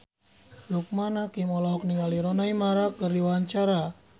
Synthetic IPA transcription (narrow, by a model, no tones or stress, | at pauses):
juk̚manakimɔlaɦɔk̚niŋaliɾɔnaimaɾakərdiwaɲt͡ʃaɾa